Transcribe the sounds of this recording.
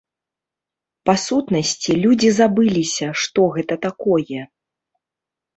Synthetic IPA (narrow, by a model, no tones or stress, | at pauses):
pasut̪nɐsʲt͡sʲilʲud͡zʲizabɨlʲisʲɐʂt̪ɔɣɛt̪ɐt̪akɔjɛ